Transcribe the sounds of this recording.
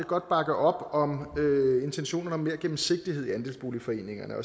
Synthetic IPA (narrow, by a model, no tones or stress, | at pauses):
ɡ̥ɒ̽d̥̚b̥ɑ̈ɡ̥əʔɒ̽b̥ɒ̽møe̝nt͡sʰenɕo̝̰ːnɐnəɒ̽me̝ɐ̰ɡ̥em̩se̝ɡ̥̚d̥ihe̝ð̞̰ˠiænd̥e̝lsb̥o̝ːlifɒ̽e̝̰ːne̝ŋɐnəɒ̽